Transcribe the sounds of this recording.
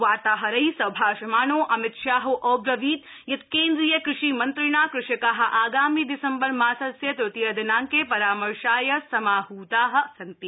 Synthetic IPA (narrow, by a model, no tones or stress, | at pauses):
ʋaːt̪aːɦɐɾɐisɐbʱaːʃɐmaːnoːʔɐmɪt̪ʃaːɦoʔoːbɾɐʋiːt̪ | jɐt̪keːnd̪ɾijɐkɾɪʃiːmɐnt̪ɾɪɳaːkɾɪʃɐkaɦɐ̆ʔaːɡaːmid̪ɪsɐmbɐɾmaːsɐsjɐt̪ɾʊt̪ijɐd̪ɐnaːŋkepɐɾaːmɐɾʃaːjɐsɐmaːɦuːt̪aːɦɐ̆sɐnt̪i